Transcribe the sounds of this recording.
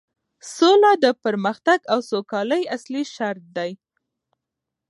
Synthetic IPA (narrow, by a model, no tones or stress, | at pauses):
solɑd̪əpəɾməxt̪aɡawsokɑləjasliʃaɾt̪̚d̪aj